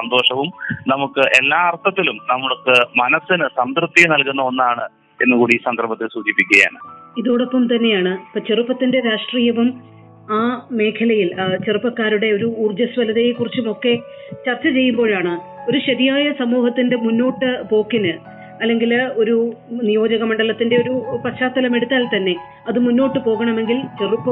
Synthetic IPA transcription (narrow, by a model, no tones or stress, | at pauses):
sɐnd̪o̞ːʂɐʋumnɐmukːɨʔe̞lːaːɐrt̪ʰːɐt̪ːilumnɐmːɐɭkːɨmɐnɐsːinɨsɐmd̪rɨt̪ːinɐlkunːɐnːaːɳɨ | e̞nːɨkuːɽiːsɐnɡ̪ɐrbɐt̪ːilsuːd͡ʑipːikʲːɐja̰ːɳɨ | iðoːɽopːɐmt̪ɐnːe̞jaːɳɨpɐt͡ɕerupːɐt̪ːinde̞ɾaːʂʈriːjɐʋum | aːme̞ːkʰɐlɐjilt͡ɕerupːɐkːaːɾuɽe̞o̞ɾuuːrd͡ʑɐsʋɐlɐðejekːurit͡ɕːumo̞kːe̞t͡ɕɐrt͡ɕːɐt͡ɕe̞jːumbo̞ːɻaːɳɨ | o̞ɾuɕɐðijaːjɐsɐmuːhɐt̪ːinde̞munːo̞ːʈːɨpo̞ːkːinɨ | ɐlːe̞ŋɡilo̞ɾunijo̞ːd͡ʑɐɣɐmɐɳɖɐlɐt̪ːinde̞o̞ɾupɐɕaːt̪ːɐlɐme̞ɽut̪ːaːlt̪ɐnːe̞ | ɐðɨmunːo̞ːʈːɨpo̞ːɣɐɳɐme̞ŋɡilt͡ɕe̞rupːɐ